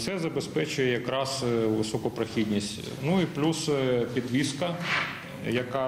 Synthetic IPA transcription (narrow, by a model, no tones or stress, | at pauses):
t̪sɛzɐbespɛt͡ʃʊjɛjɐkɾɑsʋɪsɔkʊpɾɐxʲid̪ʲnʲisʲtʲ | nuiplʲuspʲid̪ʋʲiskɐ | jɐkɑ